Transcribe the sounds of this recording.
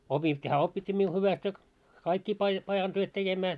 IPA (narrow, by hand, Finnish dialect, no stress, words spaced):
opitʲːiː hæː opːitʲːiː miu hyʋæst jɑ kɑikːiː pɑi pɑjɑn tyøt tekemæː